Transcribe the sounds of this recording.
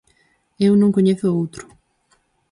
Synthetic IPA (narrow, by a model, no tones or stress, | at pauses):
ewnõŋkoɲeθʊowt̪ɾʊ̥